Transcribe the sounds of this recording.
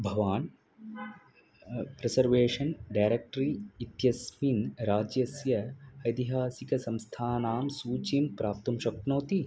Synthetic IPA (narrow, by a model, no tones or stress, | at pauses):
bʱɐʋaːn | pɾesɐɾʋeːʂɐnɖaːjɾek̚ʈɾiːt̪jɐsminɾaːd͡ʒjɐsjɐɐjd̪iɦaːsikɐsɐ̃mst̪ʰaːnaːmsuːt͡ʃimpɾaːp̚t̪umʃɐk̪̚noːt̪i